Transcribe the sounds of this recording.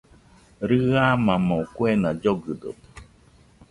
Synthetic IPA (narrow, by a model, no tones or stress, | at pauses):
ɾɨamãmoukuenad͡ʒoɡɨd̪o̰t̪e̥